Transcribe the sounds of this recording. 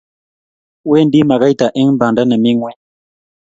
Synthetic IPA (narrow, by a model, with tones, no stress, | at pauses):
we˦˨n˦di˦ma˨ɡa˦jta˨ʔi˦ŋm̩˦ba˨nda˦nə˨mi˦ŋwɛ˦